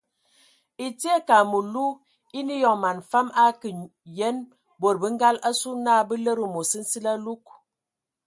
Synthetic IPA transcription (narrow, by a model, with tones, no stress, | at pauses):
i˨ti˦e˦ka˨mu˨lu˦ | i˦ni˦jɔ˨ŋma˨n˨fa˦ma˦kə˨ | je˦n | bo˨ɾ̚bə˦ŋ̩˦ɡa˦la˦su˦na˦˨bə˦lə˦ɾə˨mo˨sə˦n̩˦si˦la˦lu˦k